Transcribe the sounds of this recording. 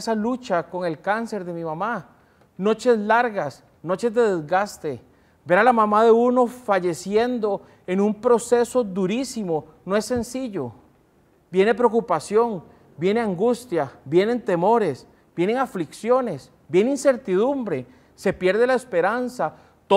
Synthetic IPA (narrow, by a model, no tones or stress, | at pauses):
salut͡ʃako̞ŋe̞lkanse̞ɾd̪e̞mimama | no̞t͡ʃe̞slaɾɣas | no̞t͡ʃe̞zd̪e̞ðezɡast̪e̞ | be̞ɾalamamaðe̞uno̞faʝe̞sje̞nd̪o̞ | enumpɾo̞se̞so̞d̪uɾisimo̞ | noe̞sːe̞nsiʎo | bje̞ne̞pɾeokupasjo̞ŋ | bje̞ne̞aŋɡust̪jabje̞ne̞nt̪e̞mo̞ɾe̞s | b̥je̞neŋafliksjo̞ne̞s | bje̞neinse̞ɾt̪iðumbɾe̞ | sepje̞ɾðe̞laespe̞ɾansa | t̪o